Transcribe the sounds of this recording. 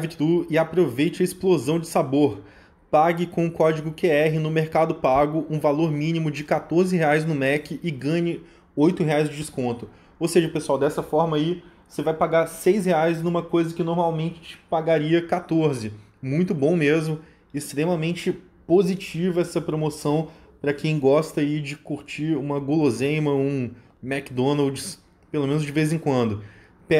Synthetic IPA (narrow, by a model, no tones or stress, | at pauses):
vt͡ʃd̪uɪapɾovejt͡ʃɪɐɪsplozɐ̃w̃d͡ʒɪsaboɾ | paɡɪkõʊkɔd͡ʒɪɡʊkeɛɦɪnʊmeɾkad̪ʊpaɡʊʔũvaloɾmĩnimʊd͡ʒɪkat̪oɾzɪɦeajznʊmɛkʲɪʔɪɡɐ̃ɲɪ | ojt̪ʊɦeajzd͡ʒɪd͡ʒɪskõnt̪ʊ | owseʒɐpesuawd̪ɛsɐfɔɾmɐi | osevajpaɡaɾsejs̬heajznũmɐkojzɐkɪnoɾmawmẽnt͡ʃɪ̥t͡ʃɪ̥paɡaɾiɐkat̪oɾzɪ | mũj̃t̪ʊbõw̃mezmʊ | ɪst̪ɾemɐmẽnt͡ʃɪ | pozit͡ʃivɐɛsɐpɾomosɐ̃w̃ | pɾɐkẽj̃ɡɔst̪ɐaid͡ʒɪkuɾt͡ʃiɾũmɐɡolozẽjmɐũ | mɛkd̪õnawd͡ʒɪs | pelomẽnʊzd͡ʒɪvejzẽkwɐ̃nd̪ʊ | pɛ